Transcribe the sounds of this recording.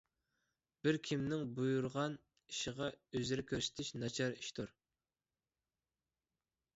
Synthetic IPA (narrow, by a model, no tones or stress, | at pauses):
b̥ɪɾkʲʰimnɪŋbujuɾʁɑn | iʃɪʁɑøzɪɾɪkʲʰøɾsɪ̥t̪ʰɪʃnɑt͡ʃʰɑɾiʃt̪ʰuɾ